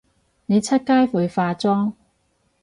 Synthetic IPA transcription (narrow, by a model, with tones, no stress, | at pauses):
ne˨˧jt͡sʰɐ˥t̚kaː˥jfuː˨jfaː˧t͡sɔː˥ŋ